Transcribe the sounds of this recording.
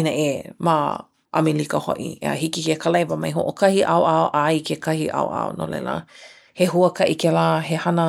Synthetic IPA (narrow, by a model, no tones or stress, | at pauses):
inəʔema | ʔɐ̰milikəho̰ʔḭə̰ɦikikekalɐjvəmɐjɦoʔokɐhiʔawʔaoʔajkʰekʰɐhiʔa̰oʔa̰ono̰lɛ̰lə̰ | heɦuəkɐʔikelaːɦehɐnə